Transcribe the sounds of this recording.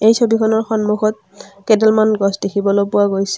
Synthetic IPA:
ejsobikʰɔnɔɹxɔnmuxɔt̚kɛdɛlmanɡɔsdekʰibɔlopʊwaɡojsɛ̥

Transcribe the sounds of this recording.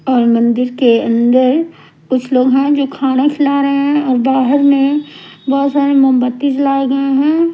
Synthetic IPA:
ɔːɾmɐ̃nd̪ɪɾkeɐ̃nd̪əɾ | kʊt͡ʃʰloːɡɦɛ̃d͡ʒoːkʰaːnakʰɪlaːɾɐɦeɦɛ̃ɔːɾbaːɦəɾmẽbɔːt̪saːɾemə̃mbət̪ːit͡ʃlaːeɡɐeɦɛ̃ː

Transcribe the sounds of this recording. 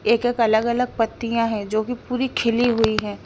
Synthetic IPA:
eːkeːkɐləɡɐləɡ̚pɐt̪ːijãɦɛ̃d͡ʒoːkipuːɾikʰɪliɦʊiɦɛ̃ː

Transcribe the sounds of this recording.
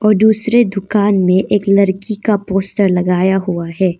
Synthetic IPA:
ɔːɾd̪uːsɾed̪ʊkaːnmẽʔeːklɐɾkikapoːstəɾlɐɡaːjaɦuaɦɛː

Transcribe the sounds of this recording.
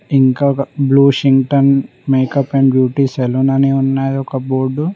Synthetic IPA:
iŋkaːɐbluːʃiŋɡʈɐn | meːkɐpeɳɖbjuːʈiːselunɐneunːaːjd̪ɔkɐboːɾɖu

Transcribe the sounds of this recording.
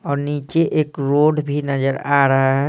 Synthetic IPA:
ɔːɾnit͡ʃeʔekɾoɖbʱinəd͡ʒəɾaɾəɦaɦɛ

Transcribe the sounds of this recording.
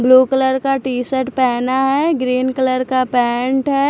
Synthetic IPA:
bluːkələɾkaʈiːsəʈpɛːnaɦɛɡɾiːnkələɾkapɛ̃ːɳʈɦɛː

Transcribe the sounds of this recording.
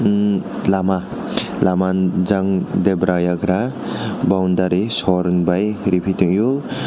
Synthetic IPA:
lama | lamand͡ʒaŋd̪ebɾajaɡɾabawnd̪aɾisɔɾnbajɾipʰit̪iŋju

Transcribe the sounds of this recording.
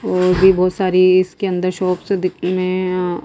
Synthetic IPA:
ɔːɾbʱibɔːt̪saːɾiɪskeɐ̃nd̪əɾʃɔːpsed̪ɪkʰmẽ

